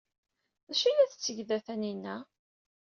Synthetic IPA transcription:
ðæʃilæθət͡sːəʝðæθæninːæ

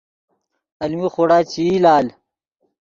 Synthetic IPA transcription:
ɐlmixoɽaːt͡ɕilaːl

